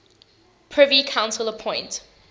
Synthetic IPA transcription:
pʰɹ̥ɪvikʰãʊ̃nsələpʰɔ̃ɪ̃nt

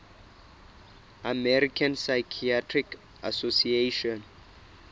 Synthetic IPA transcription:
amɛɾikʰãnsajkʰiatʰrik | asosieʃɔ̃n

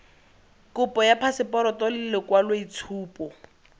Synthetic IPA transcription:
kʊpʼɔjapʰasɪpɔɾɔtɔlɪlɪkwalweit͡sʰuːpɔ

